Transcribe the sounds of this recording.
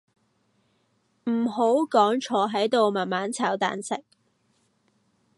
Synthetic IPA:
m̩˨˩ɦo˨˥wkɔː˨˥ŋt͡ʃʰɔː˨˧˥ɦɐ˨˥jt̪o˨˧wmaː˨˩nmaː˨˥nt͡sʰaː˨˥wt̪a̰ː˨nsɪ̰˨k̚

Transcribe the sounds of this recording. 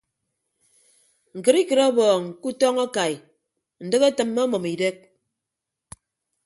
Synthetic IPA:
ŋ̩˨kɨ˨ɾi˦kɨ˨ɾa˦bɔː˨ŋ˨ku˦tɔ˦ŋa˦ka˨j | n̩˨dɨ˦ke˦tɨ˨mːɔ˦mɔ˨mi˨de˦k̚

